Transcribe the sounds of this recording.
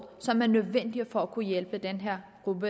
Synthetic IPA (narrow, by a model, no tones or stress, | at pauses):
sɒ̽mæɐnøðˠʋen̰d̥ifɒ̽ækʰujelb̥əd̥enɦeɐ̰ɡ̥ʁubə